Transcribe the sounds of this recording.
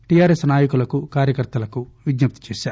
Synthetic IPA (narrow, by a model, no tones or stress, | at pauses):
ʈijaːɾesnaːjɐkulɐkukaːɾjɐkɐɾt̪ɐlɐkuʋid̪nɐp̚t̪i̥t͡ʃeːʃaːɾ